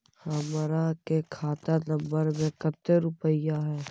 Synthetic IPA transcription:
həmɾakekʰaːt̪anə̃mbəɾmẽkət̪ːəɾʊpəjaɦɛː

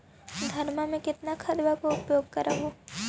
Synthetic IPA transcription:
d̪ʱɐɾmamẽkɪt̪nakʰɐd̪bakoʊpjoːɡ̚kɐɾʔaɦoː

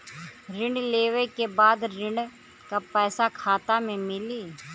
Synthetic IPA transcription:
ɾɪ̃ɳɖleːʋekebaːd̪ɾɪ̃ɳɖ | kapɛːsakʰaːt̪amẽmɪliː

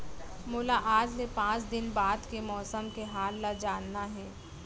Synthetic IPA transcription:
mʊlaʔaːd͡ʒlepãːt͡ʃd̪ɪnbaːd̪kemɔːsəmkeɦaːlːad͡ʒaːnːaɦɛ̃ː

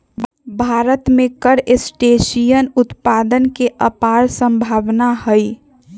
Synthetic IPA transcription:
bʱaːɾət̪mẽkəɾesʈesijənʊt̪paːd̪ənkeʔəpaːɾsə̃mbʱaːbnaɦəj

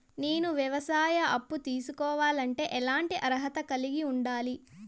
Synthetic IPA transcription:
ne̞ːnuʋjɐʋɐsaːjɐʔɐpːut̪iːsukɔːʋaːlɐɳʈe̞ːʔɛlaːɳʈiʔɐɾɦɐt̪ɐkɐliɡiuɳɖaːli

